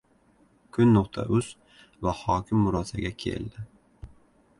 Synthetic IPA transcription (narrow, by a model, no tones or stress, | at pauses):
kʲʰʊnːʊqt̪ʰa̰ʔʊz̥ | vahɑːkʲʰɪmːʊɾɑːsaɡʲakʲʰḛld̪ɪ